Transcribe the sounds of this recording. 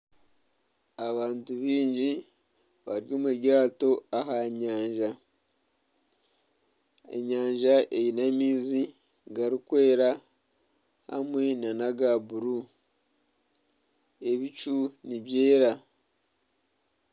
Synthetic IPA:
aβaːntuβiːɲɟi | βa̰ɾjo̞ːmeɟaːto̞aɦaɲaːɲʒa | ḛɲaːɲʒaʔejinamiːzi | ɡaɾikwe̞ːɾa | ha̰mwe̞nanaɡaβuɾu | e̞βit͡ʃuniβje̞ːɾa

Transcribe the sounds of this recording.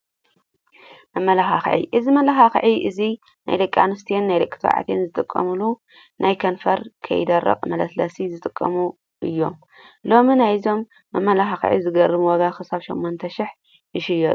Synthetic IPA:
mɐmːɐlaxaxʕḭʔɨzimɐlaxaxʕiʔɨzi | na̰jd̪ɐkʼːa̰nɨst̪ʰijenːajd̪ɐkʼːɨ̥t̪ʰɐ̰ʕa̰t̪ʰenzɨt̪ʼɨkʼːɐ̰mulu | najkʰɐnfɐɾkʰɐ̰jɪ̰d̪ɐrːɐ̰qʼmɐlɐt̪lɐsizɨt̪ʼɨkʼːɐmu | ʔɨjːo̞m | lo̞minajzo̞mː | ɐmːɐlaxaxʕḭzɨɡɐrɨmuwɔɡaxɨsaβʃɐmːont̪ʰɐʃɪħ | ʔɨʃɪjot̪ʼ

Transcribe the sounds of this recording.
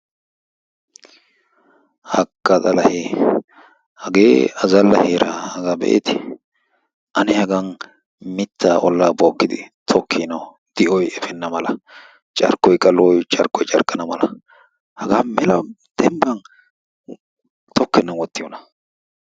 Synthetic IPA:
hɐkːɐt̪ʼɐlɐheː | hɐɡeːɐzɐlːɐheːɾʔɐhɐɡabɛ̰ʔḛt̪ɪ | ʔɐnɛhɐɡɐn | mɪt̪ːaʔɔlːaːboːkːɪd̪ɪ̰t̪ʰɔkʰːinɐw | d̪̥ɪʔɔjɛfɛnːɐmɐlɐ | t͡ʃʼɐ̰ɾkːɔjkʼɐlɔjt͡ʃʼɐɾkʼːɔjt͡ʃʼɐɾkʼːɐnɐmɐlɐ | hɐɡaːmɛlɐ | d̪̥ɛmbɐn | t̪ʰɔkːɛnːɐwɔt̪ːɪjɔnɐ

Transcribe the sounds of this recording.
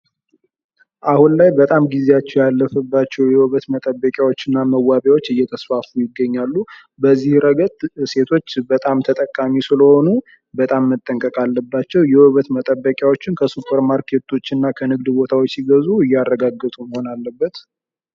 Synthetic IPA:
ʔahunlajbət̪ʼamɡizeat͡ʃːɛwjalːəfəbːat͡ʃːɛwjɛwəβət̪mət̪ʼəbːəkʼjawo̞t͡ʃːɪnːaməwːaβjawo̞t͡ʃːɨjːɛt̪ʰəsfafujɪɡːəɲːalːu | bəzːihɾəɡət̪ʼse̞t̪ʰo̞t͡ʃːbət̪ʼamt̪ʰət̪ʼəkʼːamisɨləho̞nu | bət̪ʼamːət̪ʼːəŋkʼəkʼalːəbːat͡ʃːɛwjɛwβət̪mət̪ʼəbːəkʼjawot͡ʃːɪnkʰəsupʰʼəɾmaɾkʰe̞t̪ʰo̞t͡ʃːɪnːakʰənɨɡ̚d̪bo̞t̪ʰawot͡ʃːsɪɡəzuɨjːarːəɡaɡːət̪ʼuməho̞nalːəbːət̪

